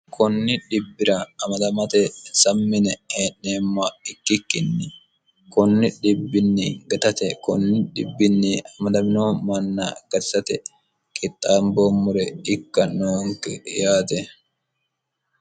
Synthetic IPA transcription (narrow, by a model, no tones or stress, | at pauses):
kʰɔnːɪᶑɪbːɪɾɐɐmɐd̪ɐmɐt̪ɛsɐmːɪnɛheːnːeːmːaɪkːɪkːɪnːɪ | kɔnːɪᶑɪbːɪnːiɡɐt̪ɐt̪ɛkɔnːɪᶑɪbːɪnːiɐmɐd̪ɐmɪnoːmɐnːa̰ːɡ̥ɐt̪sɐt̪ɛ | kʼɪt̪ʼːaːmbomːʊɾɛɪkːɐnoːŋkɛ̰jaːt̪ɛ